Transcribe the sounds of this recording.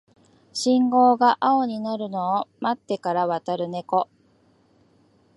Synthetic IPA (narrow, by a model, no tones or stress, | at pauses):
ɕĩŋɡo̞ːɡaʔao̞ɲ̟inaɾɯ̟no̞ːmat̪ːe̞kaɾaβat̪aɾɯ̟ne̞ko̞